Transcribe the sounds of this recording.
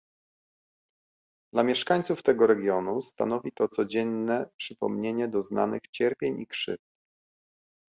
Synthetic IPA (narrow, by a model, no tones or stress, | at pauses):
d̪lamʲjɛʂkaɲt̪suft̪ɛɡɔɾɛɡʲjɔnust̪a̰nɔvʲit̪ɔt̪sɔd͡ʑɛnːɛpʂɘpɔ̰mɲeɲɛd̪ɔzna̰nɘ̰xt͡ɕɛɾpʲjeɲikʂɘ̰ft̪̚